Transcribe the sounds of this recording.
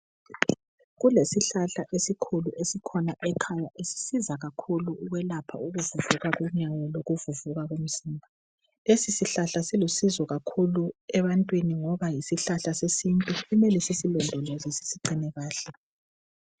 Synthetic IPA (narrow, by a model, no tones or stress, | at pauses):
ɣulesiɬaɬaʔesikʰuluʔesikʰɔnaʔɛkʰajaʔesi̥sizaɣakʰuluːɣwɛlapʰa̰uɣuvuvuɣaɣuɲajɔloɣuvuvuɣaɣom̩ziːmbʱa | lesisiɬaɬasilusizɔɣakʰuluɛβantʼwiniŋɔβajisiɬaɬasesintʼuumɛlisisilɔndʱlɔzisi̥siǃinɛɣaːɬɛ